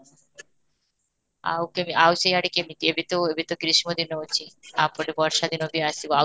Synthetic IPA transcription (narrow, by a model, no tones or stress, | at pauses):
a̰wkemiawsejaɽikemit̪iebet̪oebet̪okɾiʃmod̪inoot͡ɕiapɔɾebɔɾʃad̪ʱinobiasiboa